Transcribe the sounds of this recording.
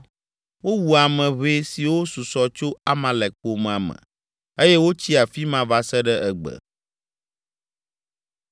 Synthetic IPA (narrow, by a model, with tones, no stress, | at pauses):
wo˦wu˨a˨mɛ̃˨βe˦si˨wo˦su˨sɔ˨t͡ʃo˦a˦mã˨lɛ˨k͡po˨m˦ã˨mɛ̰̃˨ | e˦jɛ˦wo˦t͡ɕi˦a˨fi˦mã˦va˦sɛ˦ɖɛ˦ʔɛ˨ɡ͡bə̰˨